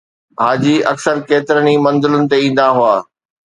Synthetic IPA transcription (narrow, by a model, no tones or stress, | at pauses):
ɦaːd͡ʑiʔɐksəɾkeːt̪ɪɾənimɐ̃nzɪlʊnɪ̆t̪eĩːn̆d̪aɦʊaː